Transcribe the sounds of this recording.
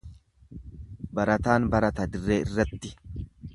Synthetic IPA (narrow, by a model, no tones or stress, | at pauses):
bɐɾɐt̪aːnbɐɾɐt̪ɐd̪ɪrːeːɪrːɐt̪ːɪ